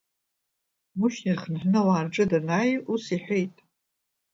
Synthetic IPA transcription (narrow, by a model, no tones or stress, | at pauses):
mʊʃnirχənħʷᶣnɨwaːrʈ͡ʂʼɨdanajusiħʷᶣejtʼ